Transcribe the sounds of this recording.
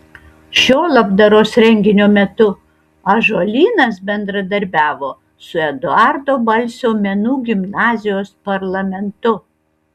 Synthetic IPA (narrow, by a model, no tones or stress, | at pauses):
ʃʲoːlˠɐbd̪ɐɾoːsɾʲɛŋʲɡʲɪnʲoːmʲɛt̪ʊ | ɐʒoːlʲiːnɐs̬bʲɛnd̪ɾɐd̪ɐɾʲbʲæːʋoː | sʊɛd̪ʊɑɾd̪oːbɐlʲsʲoːmʲɛnuːɡʲɪmnɑːzʲɪjoːspɐɾlˠɐmʲɛnt̪ʊ